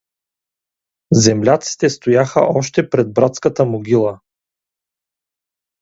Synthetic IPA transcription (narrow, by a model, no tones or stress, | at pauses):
zɛmlʲat̪si̥t̪ɛst̪ojaxə̰ʔɔʃt̪ɛpɾɛd̪̚bɾat̪skət̪əmoɡʲilˠə